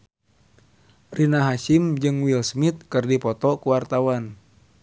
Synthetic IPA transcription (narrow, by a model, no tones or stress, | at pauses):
rinaɦaʃimd͡ʒɨŋwilsmit̪̚kɨrdipɔt̪ɔkuwart̪awan